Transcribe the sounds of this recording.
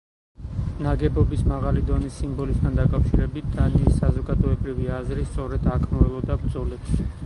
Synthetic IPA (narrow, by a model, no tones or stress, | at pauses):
naɡɛbɔbismaʁalid̪ɔnisːimbɔlist̪ʰand̪akʼafʃiɾɛbit̪̚ʰd̪̥aniːsazɔɡad̪ɔɛbɾiviazɾist̪sʼɔɾɛd̪akʰmɔɛlɔd̪abɾd̪zɔlɛbʃi